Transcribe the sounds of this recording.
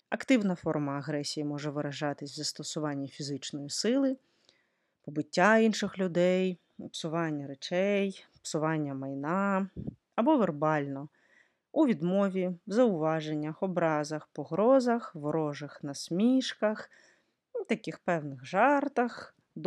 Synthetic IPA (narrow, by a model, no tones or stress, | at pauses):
ɐkt̪ɪwnɐfɔrmɐːɦɾɛsʲijimɔʒɛʋɪɾɐʒɑt̪ɪsʲwzɐst̪ɔsʊʋɑnʲːifʲizɪt͡ʃnɔjisɪlˠɪ | pɔbɪtʲːainʃɪxlʲʊd̪ɛj | psʊʋɑnʲːɐɾet͡ʃɛjpsʊʋɑnʲːɐmɐjnɑ | ɐbɔʋerbɑlʲnɔ | uʋʲid̪mɔʋʲizɐʊʋɑʒenʲːɐxɔbɾɑzɐxpɔɦɾɔzɐxʋɾɔʒɐxnɐsʲmʲiʃkɐx | t̪ɐkɪxpɛwnɪxʒɑrt̪ɐx | d̪